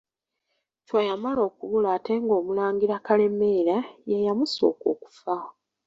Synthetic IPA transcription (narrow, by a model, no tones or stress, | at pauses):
cwajamalo̞ːkuβulaːte̞ŋɡo̞ːmulaːŋɡiɾakale̞me̞ːɾajajamuso̞̰ːko̰ːku̥fa